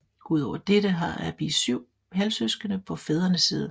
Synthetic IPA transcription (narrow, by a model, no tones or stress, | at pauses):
uðˠɒʊ̰ɐd̥eɾəɦɑ̈æb̥ḭsyʊ̰ | ɦælsøsɡ̥ənəpʰɒ̽feð̞ˠɐnəsiːðˠ